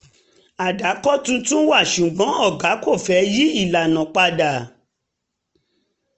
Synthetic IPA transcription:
a˨da˨˦kɔ˦tũ˧˦tũ˦wa˦˨ʃu˨ɡ͡bɔ̃˨˦ɔ˦˨ɡa˨˦ko˦˨fɛ˨˦ji˦i˦˨la˨nã˨k͡pa˧da˨

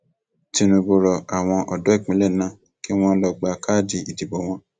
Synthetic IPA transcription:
ti˧nũ˧bo˧ɾɔ˧a˨w̃ɔ̃˧ʔɔ˨dɔ˨˦i˦˨k͡pĩ˨˦le˦˨nã˦˨ | ki˦w̃ɔ̃˦lɔ˧ɡ͡ba˧ka˦d͡ʒi˧i˨di˨bɔ˨˦w̃ɔ̃˦

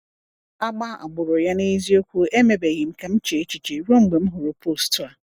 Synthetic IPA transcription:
a˦ɡ͡ba˦ʔa̰˨ɡ͡bʊ˨ɾʊ˨ja˦nɪ̃˦i˦zi˦o˦kʷʰu˦ʔe˦mɛ˨bæ˨ji˨m̩˨kʰã˨m̩˦t͡ʃʰe˨e˨˦t͡ɕi˨t͡ʃʰe˨ɾõ˦m̩˨ɡ͡be˨m̩˦ɦʊ˨ɾo˨pʰo˦˨stʰʊ˦a˨

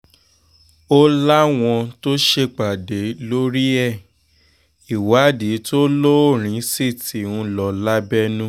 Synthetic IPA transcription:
o˦la˦w̃ɔ̃˧to˦ʃe˧k͡pa˨de˨˦lo˦ɾi˦ɛ˦˨ | i˨wa˨˦di˨˦to˦lo˦o˦˨ɾ̃ĩ˨˦si˦˨ti˨˦˨wũ˧lɔ˨la˦bɛ˦nũ˦

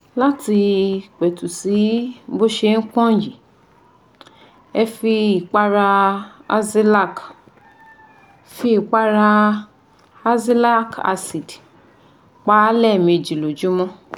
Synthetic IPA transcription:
la˦ti˧k͡pɛ˨tu˨si˨˦bo˦ʃe˧ŋ̩˦k͡pɔ̃˦˨ji˨ | ɛ˧fi˧i˨k͡pa˧ɾa˧a̰˧zi˦la˦˨k | fi˧˦i˨k͡pa˦ɾa˧ | a˧zi˦la˦ka̰˧si˨d | k͡pa˦lɛ˦˨mĩ˧˨d͡ʒi˨lo˨d͡ʒũ˨˦mɔ̃˦

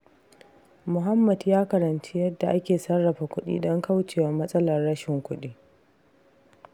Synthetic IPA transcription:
mʊ˨ɦa˦mːɐ˨djaː˦kɐ˨ɾɐ˨nt͡ʃi˦jɐ˦dːa˨ʔa˦kʲeː˨sɐ˦rːɐ˨ɸaː˨kʷʊ˦ɗḭː˦dɔ˦ŋka˦wt͡ʃeː˨wɐ˨mɐ˦sʼɐ˦lɐ˨rːɐ˦ʃɪ˨ŋkʷʊ˦ɗiː˦

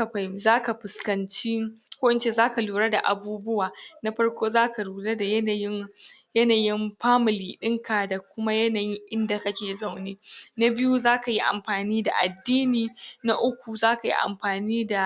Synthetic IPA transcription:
a˨ɸa˦zaː˦ka˨ɸɪ˨skɐ˨nt͡ʃi˦kʷoː˦ʔɪ˨nt͡ʃeː˦zaː˦ka˨luː˨ɽa˦da˨ʔa˨buː˦bʊ˦waː˨na˦ɸɐ˦ɽkʷoː˦zaː˦ka˨luː˨le˦da˨jna˨jɪ˦ | jɐ˦naː˨jɪ˦mɸaː˦mɪ˨liː˨ɗɪ˦ŋkaː˨da˨kʷʊ˦ma˦jɐ˦naː˨jɪ˦ŋʔɪ˦nda˨kɐ˦kʲeː˨za˦˨wneː˦na˦bɪ˦ju˦zaː˦ka˨ji˦ʔa̰˨mɸaː˨niː˦da˨ʔa̰˨dːiː˦niː˨na˦ʔʊ˦kʷu˨zaː˦ka˨jḭ˦ʔa̰˨mɸaː˨niː˦da˨

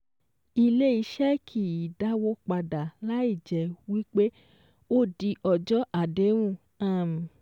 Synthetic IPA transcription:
i˧le˦i˧ʃɛ˦kʰi˨i˨da˦wo˧˦k͡pa˧da˨la˨˦i˦˨d͡ʒɛ˨wi˦k͡pe˦ | o˦˨di˧ʔɔ˨d͡ʒɔ˦ʔa˦˨de˨˦w̃ũ˦˨ | a˦˨m˨

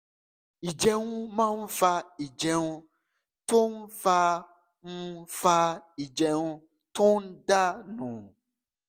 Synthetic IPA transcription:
i˨d͡ʒɛ˦ŋũ˦mã˦m̩˦fa˧i˨d͡ʒɛ˨ŋũ˦ | t̪o˦m̩˦fa˧ | ŋ̩˦fa˧i˨d͡ʒɛ˨ŋũ˦ | to˦n̩˦ɖa˦nũ˨

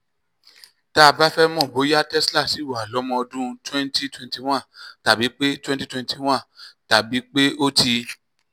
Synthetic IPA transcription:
ta˦˧ba˦fɛ˦mɔ̃˦˨bo˨˦ja˦tɛ˦sla˦˨si˨˦˨wa˨lɔ˨˦mɔ̃˧ɔ˧dũ˦˧twɛ̃˦nti˦twɛ̃˧n˦ti˦w̃ã˦˨ta˨bi˨˦k͡pe˦twɛ̃˦ti˦twɛ̃˧˦n˦ti˦w̃ã˦˨ta˨bi˨˦k͡pe˦o˦ti˧

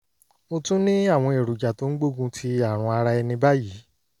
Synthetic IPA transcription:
o˧tũ˦nĩ˦a˦˨w̃ɔ̃˧e˨ɾu˨d͡ʒa˨to˨˦n̩˦ɡ͡bo˦˨ɡũ˧tʰi˧a˦˨ɾ̃ũ˧a˧ɾa˧ɛ˧nĩ˧ba˦jiː˨˦

